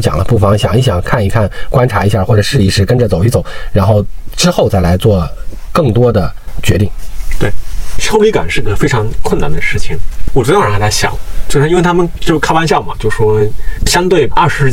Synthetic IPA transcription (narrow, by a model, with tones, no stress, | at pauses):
t͡ɕjɑ̰˨˩ŋlə̰˦pu˥˩fɑ˧˥ŋɕjɑ˨˩ŋi˥˩ɕjɑ˨˩ŋkʰa˥˩ni˧˥kʰa˥˩nkwa˥nʈ͡ʂʰa˧˥i˧˥ɕja˥˩xwɔ˥˩ʈ͡ʂɤ˨˩ʂɻ̩˥˩i˧˥˩ʂɻ̩˥˩kə˥nʈ͡ʂə˨t͡so˨˩ʊi˥t͡so˨˩˦ʊɻa˧˥nxo˥˩ʊʈ͡ʂɻ̩˥xo˥˧ʊt͡sa˥˩ɪla˧˥ɪt͡swɔ˥˧˩ | kɤ˥˩ŋt̪wɔ˥d̪ə˨t͡ɕɥɛ˧˥t̪i˥˩ŋt̪we˥˩ɪt͡ɕʰjo˥ʊli˧˥ka̰˨˩nʂɻ̩˥˩ɡə˩fe˥ɪʈ͡ʂʰɑ˧˥ŋkʰwə˥˩na̰˥˩nd̪ə˨˦ʂɻ̩˥˩t͡ɕʰi˩ŋwɔ˨˩ʈ͡ʂɻ̩˧˥ɑ˥˧˩t͡sa˥˩ɕjɑ̰˨˩˦ŋt͡ɕo˥˧ʊʂ̩˥˧˥nwe˥˧ɪt̪ʰa˥mə˧˨nt͡ɕjo˥˧ʊkʰa˥wa˥nɕjɑ˥˩ʊmɐ˩t͡ɕjo˥˧ʊʂʂwɔ˥ɕjɑ˥ŋt̪we˥˩ɪɐ˥˩ʂɻ̩˧˥